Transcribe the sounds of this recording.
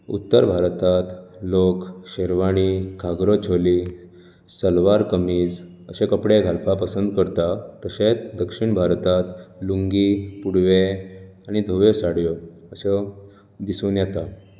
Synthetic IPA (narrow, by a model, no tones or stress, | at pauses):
ṵt̪ːəɾbʱaɾt̪at̪lokɕeɾʋaɽ̃ikʰaɡɾət͡ɕʰoli | səlʋaɾkəmiːd͡z | əɕẽkəpɽeɡʱalpapəsənd̪kəɾt̪at̪əɕet̪d̪əkʂiɳbʱaɾt̪at̪luŋɡipuɽʋeaɽ̃id̪ʱoʋesaɽjɔəse | d̪isuːnjɛt̪a